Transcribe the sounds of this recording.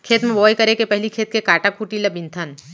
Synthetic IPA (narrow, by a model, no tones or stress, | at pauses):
kʰeːt̪mẽʋɔːjkɐɾekepɛɦlikʰeːt̪̚kekaːʈakuːʈilɐbɪ̃nt̪ʰən